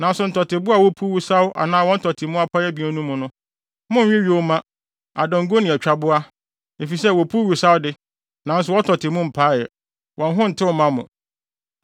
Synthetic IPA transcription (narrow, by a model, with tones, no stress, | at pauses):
nã˨n̩˦sʊ˨n̩˨tʰɔ˨tʰɪ˨bʊ˦a˨wo˦pʰu˦wu˦sa˦wʊ˦ʔa̰˨nãː˦wɔ̃˦n̩˦tʰɔ˨tʰɪ˨mʊ̃˦a˦pʰa˦ɛ˦bĩ˨ɔ˦nũ˦mʊ̃˨nʊ̃˦ | mʊ̃˦ɥᶣĩ˦ɥi˦o˦mã˦ | a̰˨dɔ̃˨ŋ̩˦ɡo˦nɪ̃˨ɛ˨t͡ɕᶣa˨bʊ˦a˦ | e˨fi˨sɛ˦˨wo˨pʰu˦wu˨sa˦wdɪ˦ | nã˨˦n̩˦s̬ʊ˨wɔ˦tʰɔ˨tʰɪ˨mʊ̃˦m̩˨pʰa˦jɛ˨ | wʔɔ̃˨n˦ɦʊ̃˦n̩˨tʰɪ˦wmã˦mʊ̰̃˨